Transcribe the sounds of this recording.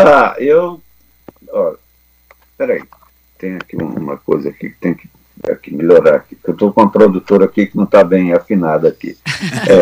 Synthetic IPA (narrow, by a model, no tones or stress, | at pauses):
aew | ɔʎɐ | pɛɾai | t̪ẽj̃akiṵ̃ṵ̃mɐ̰kojzɐakḭkɪ̥t̪ẽj̃kɪ̥ | a̰kimiʎoɾaɾaki̥kewt̪okõɐpɾod̪ut̪oɾɐakikɪnɐ̃w̃t̪abẽj̃afinad̪ɐakḭɛ